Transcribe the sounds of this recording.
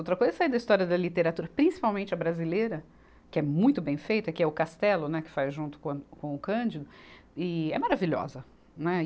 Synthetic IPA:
owt̪ɾɐkojzɐsaid̪ɐist̪ɔɾiɐd̪ɐlit̪eɾat̪uɾɐpɾĩsi̥pawmẽnt͡ʃɪɐbɾazileɾɐ | kɪɛmũj̃t̪ʊbẽj̃fejt̪ʊɛkɪɛʊkast̪ɛlʊnɛkɪ̥fajzʒũnt̪ʊ̥kõkõʊkɐ̃d͡ʒɪd̪ʊɪɛ̰maɾaviʎɔ̰zɐ | nɛ

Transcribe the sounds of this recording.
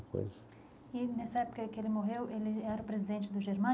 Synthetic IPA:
ko̰jzɐ | ɪnɛsɐɛpʊ̥kɐkɪelɪmoɦewʔelɪɛɾɐʊpɾezid̪ẽnt͡ʃɪd̪ʊʒeɾmɐ̃

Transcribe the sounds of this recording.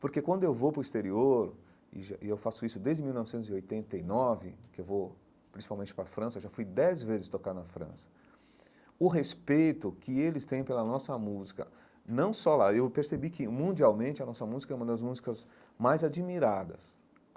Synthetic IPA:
poɾkekwɐ̃nd̪ʊewvowpɾʊist̪eɾioɾ | ɪ̰ʒaɪewfasʊisʊd̪ezd͡ʒɪmiwnɔvɪsẽnt̪ʊziojt̪ẽnt̪ejnɔvɪkɪewvo | pɾĩsi̥pawmẽnt͡ʃɪ̥pɾɐfɾɐ̃sɐewʒafujd̪ɛzvezɪst̪okaɾnɐfɾɐ̰̃sɐ̥ | ʊɦespejt̪ʊkɪelɪst̪ẽj̃pelɐnɔsɐmuzikɐ̰ | nɐ̃w̃sɔlaewpeɾsebikɪmũnd͡ʒiawmẽnt͡ʃɪɐnɔsɐmuzikɐɛũmɐd̪ɐzmuzikɐz | majzad͡ʒimiɾad̪ɐ̰s

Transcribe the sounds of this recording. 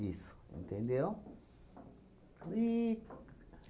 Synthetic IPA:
is | ḛ̃nt̪ẽnd̪ijo | i

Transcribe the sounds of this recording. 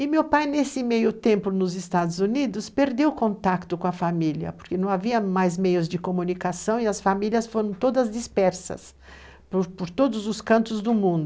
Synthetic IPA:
ɪmewpajnesɪmejʊt̪ẽmplʊnʊzɪst̪ad̪ʊzunid̪ʊspeɾd̪ewkõnt̪akt̪ʊkõɐfamiliɐ̰poɾkenɐ̃w̃aviɐmajzmejʊzd͡ʒɪkomũnikasɐ̃w̃ɪɐsfamiliɐsfoɾɐ̃w̃t̪od̪ɐzd͡ʒispɛɾsɐ̰s | pɾpoɾt̪od̪ʊzʊskɐ̃nt̪ʊzd̪ʊmũnd̪ʊ

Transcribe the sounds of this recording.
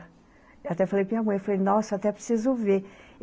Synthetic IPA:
eat̪ɛfalejkiamɐ̃j̃ɛfalejnɔsɐat̪ɛpɾe̥sizʊve

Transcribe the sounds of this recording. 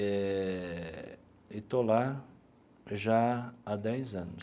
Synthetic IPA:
ɛ | ɪt̪ola | ʒaad̪ɛjzɐ̃nʊ

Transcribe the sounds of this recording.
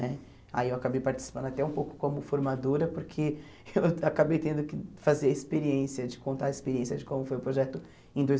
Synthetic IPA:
ɛ | a̰iewakabejpaɾt͡ʃi̥si̥pɐ̃nd̪at̪ɛũpowkʊ̥kõmʊfoɾmad̪oɾɐpʊɾkʰe | ewakabejt̪ẽnd̪ʊkɪfazeɐispeɾiẽsiɐd͡ʒɪkõnt̪aispeɾiẽsjɐd͡ʒɪkõmʊfojʊpɾoʒɛt̪ʊ | ẽj̃d̪ojz

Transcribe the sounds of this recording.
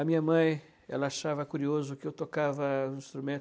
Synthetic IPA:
ɐmĩɲɐmɐ̃j̃ | ɛ̰lɐaʃavɐkuɾiozʊkɪewt̪okavɐ̃ĩst̪ɾumẽ

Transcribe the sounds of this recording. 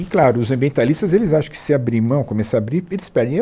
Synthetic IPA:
ɪklaɾʊʊzɐ̃mbiẽnt̪alist̪ɐzelɪzaʃɐ̃w̃kɪ̥sɪabɾĩmɐ̃w̃komɛsaːbɾiɾelɪspɛɾd̪ẽ

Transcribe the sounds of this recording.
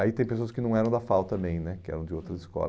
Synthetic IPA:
ait̪ẽj̃pesoɐskɪnɐ̃w̃ɛɾɐ̃w̃d̪ɐfawt̪ɐmẽj̃nɛkɪɛ̰ɾɐ̃w̃d͡ʒɪowt̪ɾɐzɪskɔ̰

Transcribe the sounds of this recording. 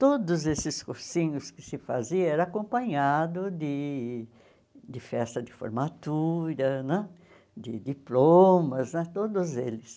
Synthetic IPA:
t̪od̪ʊzesɪskoɾsĩɲʊskɪ̥sɪfaziɐɛɾɐakõpɐ̃ɲad̪ʊd̪ɪ | d̪ɪfɛst̪ɐd̪ɪfo̰ɾmat̪uɾɐnɛ̃ | d̪ɪd̪iplomɐznɛt̪od̪ʊzelɪs

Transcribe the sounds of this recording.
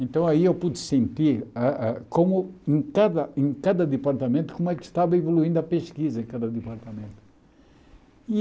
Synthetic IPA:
ẽnt̪ɐ̃w̃ɐiewpud̪sẽnt̪iɾaakomʊẽj̃kad̪ɐʔẽj̃kad̪ɐd̪ɨpaɾt̪ɐmẽnt̪u̥komʊɛkʃt̪avɐivoluĩnd̪ɐpeʃkizɐẽkad̪ɐd̪ɨpaɾt̪ɐmẽnt̪ʊ̥ | i

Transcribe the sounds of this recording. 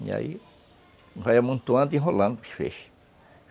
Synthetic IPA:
ɲã̰j | hajamũnt̪uãnd̪iɦolãnpifḛʃ

